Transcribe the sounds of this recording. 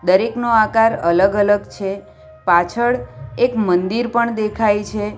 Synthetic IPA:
d̪əɾeknoakaɾələɡələɡt͡ʃʰe | pat͡ʃʰəɭekmənd̪iɾpəɳd̪ekʰajt͡ʃʰe

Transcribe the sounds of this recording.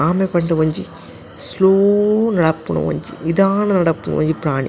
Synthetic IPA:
aːmepɐɳʈɐʋɐɲd͡ʒi | sloːnɐɽɐpːunɐ̰ʋɐ̰ɲt͡ʃḭnid̪aːnɐnɐɽɐpːunɐ̰ʋɐ̰ɲd͡ʒipɾaːnḭ

